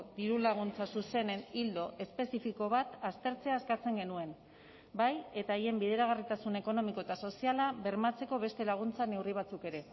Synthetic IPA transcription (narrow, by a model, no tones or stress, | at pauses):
d̪iɾulaɣ̞unt͡sasuse̞ne̞nild̪o̞ʔe̞spe̞sifiko̞β̞at̪ast̪e̞ɾt͡se̞aːskat͡se̞ŋɡe̞nue̞n | baje̞t̪aeje̞mbiðe̞ɾaɣ̞arit̪asune̞ko̞no̞miko̞et̪aso̞sialabe̞ɾmat͡se̞ko̞βe̞st̪e̞laɣ̞unt͡sane̞wriβ̞at͡suke̞ɾe̞